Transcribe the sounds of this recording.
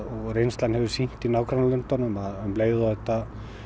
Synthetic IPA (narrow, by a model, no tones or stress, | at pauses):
ɔɣrejnst̪lanhɛvʏsin̥t̪inaːwkʰɾanalʏnt̪anʏmaðʏmleːjɣðʏɔɛht̪a